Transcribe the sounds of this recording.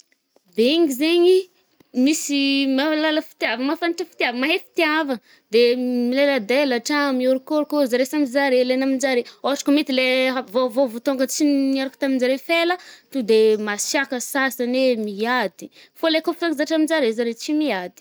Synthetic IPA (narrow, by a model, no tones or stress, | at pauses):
beeŋɡizeɲi | misimalaləfi̥t̪iavəmafaniʈ͡ʂəfi̥t̪avəmaɦefi̥t̪iavə | d̪emileləd̪elaʈ͡ʂamioɾukoɾukozaɾesamizaɾelenamind͡ʒaɾeoaʈ͡ʂḁkumit̪ileavovovot̪oŋɡət͡sinaɾaku̥t̪aminzaɾefelət̪ud̪emasjakəsasanemiad̪i̥folekoft̪aɡizaʈ͡ʂamind͡ʒaɾezaɾet͡simiad̪i̥